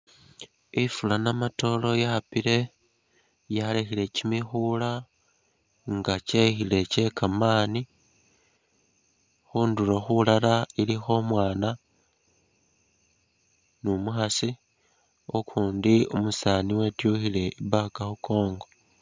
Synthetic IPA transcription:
ifulanamato̞lo̞japile̞ | jalexile̞cimixuːla | ŋɡacexile̞ce̞kʰamaːni | xuːnduloxulalailixo̞mwaːna | numuxasi | okʰuːndiumusaniwe̞tjuxile̞iβakaxuko̞ːŋɡo̞

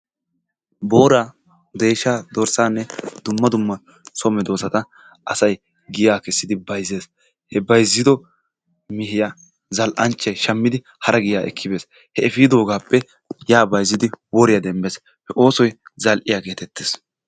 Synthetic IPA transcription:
bo̞ːɾaː | d̪eːʃaːd̪ɔɾsaːnːɛd̪̥ʊmːɐd̪ʊmːɐ | sɔmɛd̪o̞ːsɐt̪ɐ | ɐsɐj | ɡɪjaːkɛsːɪd̪ɪbɐjze̞ːs | hɛbɐjzːɪd̪ɔ | mɪhɪja | zɐlʔɐnt͡ʃːɐjʃɐmːɪd̪ɪ | hɐɾɐɡɪjaːʔɛ̰kʰːɪbeːs | hɛɛfiːd̪o̞ːɡaːpːɛ | jaːbɐjzːɪd̪ɪwɔɾɪjɐd̪ɛmbeːs | hɛʔo̞ːsɔjzɐlʔɪjakeːt̪ɛt̪ːeːs

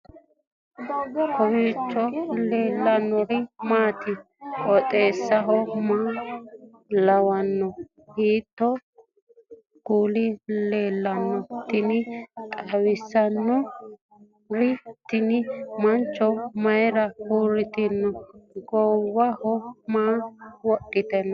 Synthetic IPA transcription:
kɔwitːɔleːlːɐnːɔɾɪmaːt̪ɪ | ɔt̪ʼe̞ːsːɐɦɔma | lɐwɐnːɔ | hiːt̪ːɔ | ɡ̥uːlɪle̞ːlːɐnːɔt̪ɪnɪt̪ʼɐwɪsːɐnːɔ | ɾɪt̪ːɪnɪmɐnt͡ʃːɔmɐjɾɐhuːɾɪt̪ɪnːɔɡɔwːɐhɔmaːwɔɗːɪt̪ɛnɐ

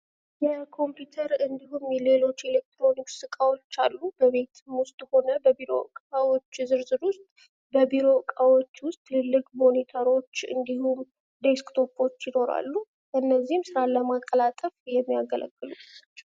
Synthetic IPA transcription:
jɛkʰo̞mpjut̪ʰəɾɨnd̪iɦumjɛle̞lo̞t͡ʃːe̞lek̚t̪ɾo̞niksɨkʼawot͡ʃːalːubəβe̞t̪ʰɨmwʊst̪ʼho̞nəbəbiɾo̞̰kʼawo̞t͡ʃːzɨɾzɨɾwʊst̪ʼ | bəbiɾo̞kʼawot͡ʃːwʊst̪ʼlɨlːɨkʼmo̞nit̪ʰaɾo̞t͡ʃːɨ̰nd̪ihum | d̪eskt̪ʰo̞pʰo̞t͡ʃːjɪno̞ɾa̰lːu | ʔɨnːəzːihmsɨɾaləmakʼːəlat̪ʼəfjɛmːijaɡəlʔə̰ɡʼːɨluat͡ʃːɛw

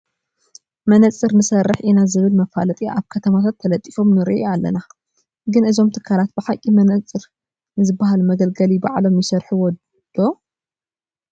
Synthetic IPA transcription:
mɐnɐt͡sʼɨɾnɨsɐrːɨħʔinazɨβɨlmɐfalɐt̪ʼiʔa̰βkʰɐt̪ʰɐmat̪ʰat̪ʰːɐlɐt̪ʼːifo̞mnɨɾḭʔoalːɐ̰na | ɡɨnɨzo̞mt̪ʰɨkʰːalat̪̚bɨħakʼimɐnɐt͡sʼːɨɾ | nɨzɨbːaɦalmɐɡɐlɡɐliba̰ʕlo̞mjɪsɐɾħuwɔ | d̪̥o

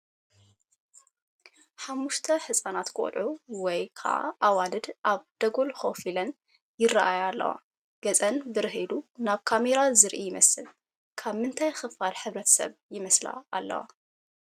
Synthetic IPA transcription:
ħamːuʃt̪ʰɐħɨsʼanat̪kʰʼɔ̰lʕuwɔjkʰa̰ʕʔa̰ʔawalɨd̪ʔaβd̪̥ɐɡolxofilɐn | jɪrːaʔajalːɐ̰wa̰ | ɡ̥ɐt͡sʼɐnbɨɾɨɦilunaβkʰameɾazɨɾʔijɪmɐsɨl | kʰaβmɨnt̪ʰajxɨfaɾħɨβɾɐt̪ʰɐ̥sɐ̰βjɪmɐsla̰ʔalːɐ̰wa̰

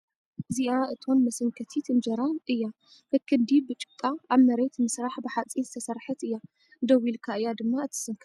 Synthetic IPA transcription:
ɨziʔaɨt̪ʰonmɐsɨŋkʰɐt̪ʰit̪ʰɨmd͡ʒɐɾaɨjːa | kʰɐkʰːɨnd̪ibɨt͡ʃʼɨ̥kʼːaaβmɐɾet̪mɨsɾaħbɨħat͡sʼinzɨt̪ʰɐsɐɾħɨt̪ɨjːa | d̪ɐwilkʰaɨjːad̪ɨmːaɨt̪ʰːɨ̥sɨŋkʰ

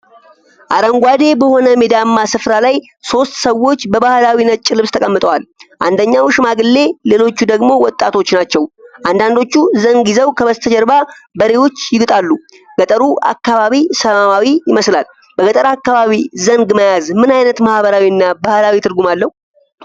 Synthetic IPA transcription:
ʔaɾəŋɡʷad̪e̞bəho̞nəmed̪amːasɨfɾalaj | so̞st̪səwːo̞t͡ʃːbəβahlawinət͡ʃʼːɪlɨβst̪ʰəkʼəmːɨt̪ʼəwalʔand̪əɲːawʃɪmaɡɨlːe̞le̞lo̞t͡ʃːud̪əɡmo̞wɔt̪ʼːat̪ʰo̞t͡ʃːnat͡ʃːɛwʔand̪and̪o̞t͡ʃːuzəŋɡizəwkʰəβəst̪ʰəd͡ʒɛɾbabəɾewo̞t͡ʃːjɪɡɨt̪ʼalːu | ɡət̪ʼəɾuʔa̰kːaβaβisəmamawijɪməslal | bəɡət̪ʼəɾakːaβaβizəŋɡməjazmɨnajnət̪mahβəɾawiɨnːabahlawit̪ʰɨɾɡumalːəhu

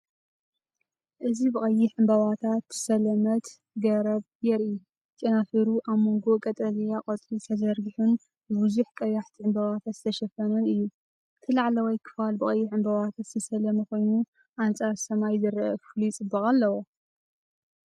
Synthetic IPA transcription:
ʔɨzibɨχʼɐjːɪħɨmbɐβat̪ʰat̪ɨ̥sɐlɐmɐt̪ | ɡɐɾɐβ | jɛɾi | t͡ʃʼɐnafiɾuʔaβmoŋɡo̞kʼɐt̪ʼɐlijakʼɐt͡sʼit̪ʰɐzɐɾɡɨħun | bɨbɨzuħkʼɐjaħt̪ʰiʕɨmbɐβat̪ʰat̪zɨ̥t̪ʰɐʃɐfɐnɐnɨjːu | t̪ʰɨlaʕlɐwɐjkʰɨ̥falbɨxʼɐjːɪħɨmbɐβat̪ʰat̪zɨsɐlɐmɐko̞jnu | ʔant͡sʼaɾsɐmajzɨɾɐfulit͡sʼɨbːɐχʼalːɐwo

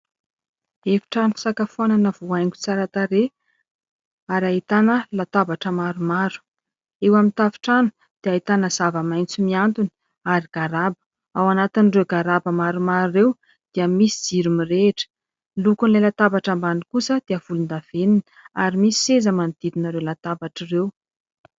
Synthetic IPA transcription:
efi̥ʈ͡ʂanufi̥sakafuananəvuajŋɡʲu̥t͡saɾat̪aɾe | aɾaɦit̪anəlat̪abaʈ͡ʂəmaɾumaɾu̥ | ewamint̪avi̥ʈ͡ʂanu̥ | d̪̥eait̪anəz̥avəmajnt͡simiant̪uni̥ | aɾiɡ̥aɾabə̥ | awanat̪inrewɡaɾabəmaɾumaɾrew | d̪̥iəmisid͡ziɾumireʈ͡ʂə̥ | lukunlajlat̪abaʈ͡ʂambanikusəd̪̥eəv̥ulund̪av̥enin | a̰ɾimisi̥sezəmand̪̥id̪inaɾewlat̪abaʈ͡ʂirew

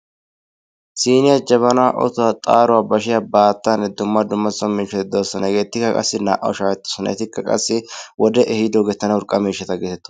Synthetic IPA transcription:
siːnɪjad͡ʒɐβɐnaʔɔ̰t̪ʊaːt̪ʼa̰ːɾʊwaːbɐʃɪjabaːt̪ːaːnːɛd̪ʊmːɐd̪ʊmːɐsɔmiːʃɐt̪ɪd̪o̞ːsːɐnɐɛɡeːt̪ːɪkːɐkʼɐ̰sːɪna̰ːʔɐ̰ɔʃaːkɛt̪ːɔ̥sɔnɐ̰ɛt̪ɪkːɐkʼɐ̰sːɪwɔd̪ɛʔɛhɪd̪oːɡɛt̪ːɐnɐʊɾkʼːɐmiːʃːɐt̪ɐɡɛt̪ɛt̪ːʊ̥

